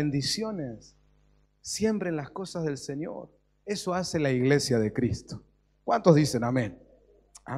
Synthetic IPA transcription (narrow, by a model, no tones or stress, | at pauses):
end̪isjo̞nesː | je̞mpɾenlasko̞sazðe̞lseɲjo̰ɾ | eso̞aselaiɣlesjaðekɾist̪o̥ | kwant̪ozðisenamẽn | a̰